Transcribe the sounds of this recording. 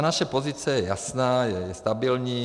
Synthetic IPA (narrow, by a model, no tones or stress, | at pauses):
naʃɛpozit͡sɛjɛja̰snaːjɛjɛst̪abilɲiː